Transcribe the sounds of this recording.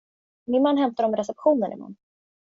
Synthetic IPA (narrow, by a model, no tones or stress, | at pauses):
mɪnmanːɦɛmt̪aɾɔmɾɛsɛpɧuːnənɪ̰ma̰nː